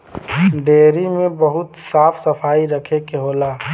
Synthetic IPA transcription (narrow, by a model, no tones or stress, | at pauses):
ɖeːɾimẽbəɦʊt̪saːpʰsəpʰaːiɾəkʰekeɦoːlaː